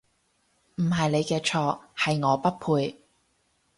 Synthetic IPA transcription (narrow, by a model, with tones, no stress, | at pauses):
m̩˨˩ɦɐ˨jne˨˧jkɛː˧t͡ʃʰɔː˧hɐ˨jŋɔː˨˧pɐ˥t̚pʰuː˧j